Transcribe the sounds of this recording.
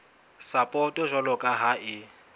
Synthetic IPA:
sapʼɔtʼɔʒɔlɔkʼaɦaɪ

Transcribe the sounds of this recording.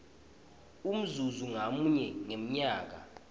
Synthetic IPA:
um̩zuzuŋamuɲɛŋem̩ɲaːk̬a̰

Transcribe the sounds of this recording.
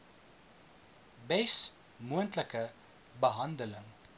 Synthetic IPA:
bɛs | muəntləkə | bəɦɐndələŋ

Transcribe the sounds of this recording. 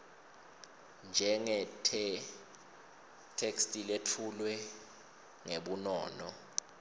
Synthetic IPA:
nd͡ʒʱɛŋɛ | tʰekstʼiletʰulwɛ | ŋeɓunɔːnɔ

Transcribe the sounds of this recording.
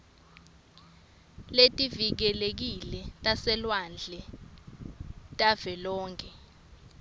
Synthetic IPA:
letʼivik̬ɛlek̬ilɛtʼasɛlwand͡ɮʱɛ | tʼavɛlɔːŋkʰʼɛ

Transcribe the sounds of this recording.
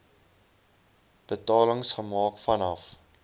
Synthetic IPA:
b̥ətɑːləŋsχəmɑːkfɐnɐf

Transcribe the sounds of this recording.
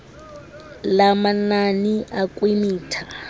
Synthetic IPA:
lamananiʔakʼwemiːtʰa

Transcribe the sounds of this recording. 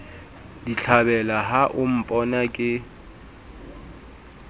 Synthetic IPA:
diɬʰabɛlaɦaʔʊm̩pʼɔnakʼɪ

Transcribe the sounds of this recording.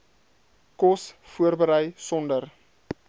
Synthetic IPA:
kɔsfuərbəɾəjsɔndər

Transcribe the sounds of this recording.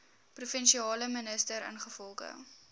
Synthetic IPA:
prufɛnʃiɑːləmənəstəɾə̰nχəfɔlˠχə̰

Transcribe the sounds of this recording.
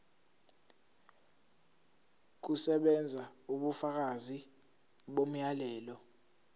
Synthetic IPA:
k̬usɛɓɛnd͡zʱauɓufak̬azi | ɓom̩jalɛːlɔ

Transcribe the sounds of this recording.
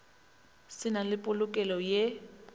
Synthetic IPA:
sɪnalɪpʼʊlʊkʼɛlɔje

